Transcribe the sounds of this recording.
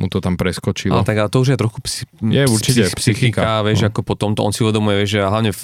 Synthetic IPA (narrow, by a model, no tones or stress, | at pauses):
mut̪ɔt̪ampɾɛskɔt͡ʃila̰ɛt̪aɡalɛt̪ɔuʒjɛt̪ɾɔxkupsjɛuɾt͡ʃicɛpsixikaʋjɛʒʒɛakɔpɔt̪ɔmt̪ɔɔ̰nsiuʋɛd̪ɔmujɛʋjɛʒʒɛɦlaʋʊɲɛ